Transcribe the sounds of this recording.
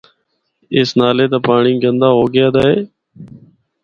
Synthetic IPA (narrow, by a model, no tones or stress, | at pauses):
ɪːsnaːleːt̪aːpaːɳĩːɡənd̪aːɦoːɡɪjaːd̪aːɦeː